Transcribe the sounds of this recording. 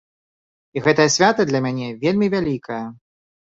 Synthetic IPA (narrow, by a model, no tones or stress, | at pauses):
iɣɛt̪ɐjɐsʲvʲat̪ɐd̪lʲɐmʲanʲɛvʲelʲmʲivʲalʲikʰɐjɐ